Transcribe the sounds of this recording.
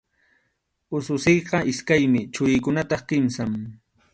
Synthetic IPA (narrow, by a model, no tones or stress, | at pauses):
ʊsʊsejqɑʔɪskajmɪt͡ʃʊɾɪjkʊnat̪ɑχkɪmsam